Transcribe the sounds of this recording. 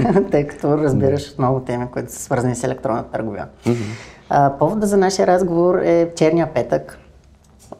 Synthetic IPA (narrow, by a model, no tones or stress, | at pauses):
t̪əjkɐ̥t̪ɔɾəzbiɾəʃo̥t̪nɔvʊt̪ɛmikoit̪ʊ̥sə̥svɤɾzənisɛlɛkt̪ɾɔnːət̪ət̪ə̰ɾɡʊvʲḭə̰ | əpɔvod̪əzɐnaʃijəɾazɡovoɾɛft͡ʃɛɾnʲijəpɛt̪ək